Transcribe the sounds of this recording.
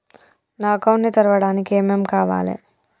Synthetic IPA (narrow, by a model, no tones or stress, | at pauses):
naːkɐwɳnit̪ɐɾɐʋɐɽaːnikeːmeːmkaːʋa̰ːlḛ